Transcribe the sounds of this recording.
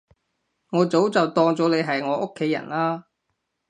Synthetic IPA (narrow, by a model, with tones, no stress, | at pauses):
ŋɔː˨˧˥t͡so˨˥wt͡sɐ˨wt̪ɔː˧ŋt͡sɔː˨˥le˨˧jɦɐ˨jŋɔː˨˥ʔʊ˥kʰːe˨˥jːɐ̰˨˩nlaː˥